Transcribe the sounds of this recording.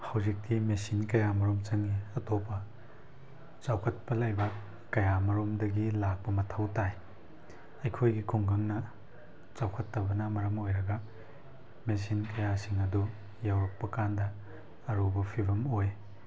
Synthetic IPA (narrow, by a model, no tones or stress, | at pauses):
hawzik̚timesinkɐjamɐɾomt͡ʃɐŋiɐtopːɐ | t͡ʃawkʰɐt̚pɐlɐjbɐ | kɐjamɐɾomdɐɡilak̚pɐmɐtʰɐwtaj | ɐjkʰojɡikʰuŋɡɐŋnɐ | t͡ʃawkʰɐtːɐbɐnɐmɐɾɐmojɾɐɡɐ | mes̬inkɐjasiŋɐdu | jawɾɐk̚pɐkandɐː | ɾubɐpʰibɐmoj